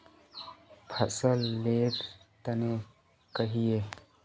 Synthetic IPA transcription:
pʰəsəlːeːʈt̪əne | kəɦijeː

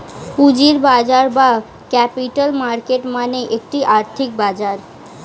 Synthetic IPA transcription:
pud͡ʒiɾbad͡ʒaɾba | kɛpiʈəlmaɾkeʈmaneʔek̚ʈiʔaɾt̪ʰik̚bad͡ʒaɾ

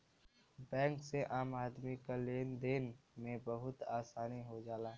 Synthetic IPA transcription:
bɛ̃ːŋkseʔaːmaːd̪mikaleːnd̪eːnmẽbəɦʊt̪aːsaːniɦod͡ʒaːlaːɦ

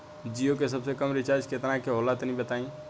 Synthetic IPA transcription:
d͡ʒiokesəbsekəmɾit͡ʃaɾd͡ʒket̪nakeɦolat̪nĩbət̪aĩ

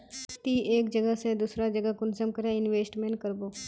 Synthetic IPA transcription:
t̪iːʔeːkd͡ʒəɡəɦsed̪usɾad͡ʒəɡəkʊnsəmkəɾẽɪnʋeːsʈmẽɳʈ̚kəɾboː

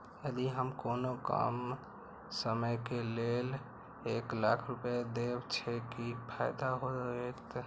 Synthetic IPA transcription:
əd̪iɦəmkonoka̰m | səməjkelel | eklakʰɾupjad̪ebt͡ʃʰɛkipʰaɪd̪aɦoet̪

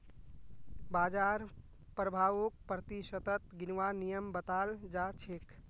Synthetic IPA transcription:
bad͡ʒaɾ | pɾəbʱaʋok̚pɾət̪isət̪ət̪ɡinʋanijəmbət̪ald͡ʒat͡ʃʰek

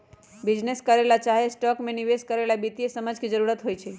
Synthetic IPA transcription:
bid͡ʒneskəɾelat͡ʃaɦesʈɔkmẽniʋeskəɾelabit̪iesəməd͡ʒkʰid͡ʒəɾuɾat̪ɦojt͡ʃʰe

